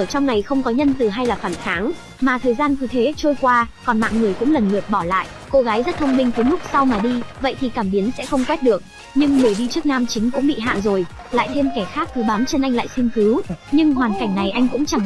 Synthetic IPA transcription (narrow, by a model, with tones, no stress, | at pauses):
əː˧˩t͡ɕɔ˧wŋ͡mna˨˩jxə˧wŋ͡mkɔ˨˦ɲə˧nt̪ɨ˨˩ɦa˧jlaː˨˩fa˧˩nxaː˨˦ŋ | maː˨˩t̪ʰəː˨˩jzaː˧nt̪ɨ˨˩t̪ʰe˨˦t͡ɕo˧jkwaː˧kɔ˨˩nma̰ː˧˨ŋŋɨ˨˩əjkʊ̰˧˥ŋ͡mlə˨˩nlɨ˨˩ək̚ɓɔ˧˩la̰ː˧˨j | ko˧ɣaː˨˦jzə˦˥t̚t̪ʰə˧wŋ͡mmï˧ŋ̟t̪ʰə˨˦jlʊ˦˥k͡p̚sa˧wmaː˨˩ɗi˧və̰˧˨jt̪ʰi˨˩kaː˧˩mɓi˨˦ənsɛ̰˧˥xə˧wŋ͡mkwɛ˦˥t̚ɗɨ˨˩ək̚ | ɲɨ˧ŋmɨ˨˩əjɗi˧t͡ɕək̚naː˧mt͡ɕï˨˦ŋ̟kʊ̰˧˥ŋ͡mɓḭ˧˨ɦa̰ː˧˨nzo˨˩j | la̰ː˧˨jt̪ʰe˧mkɛ˧˩xaː˦˥k̚k̪ɨ˨˩˦ɓaː˨˦mt͡ɕə˧nʔa˧jŋ̟la̰ː˧˨jsi˧nt̪ʰɨ˨˦wɲɨ˧ŋhwaː˨˩nka˧˩jŋ̟na˨˩jʔa˧jŋ̟kʊ̰˧˥ŋ͡mt͡ɕa˨˧˩ŋ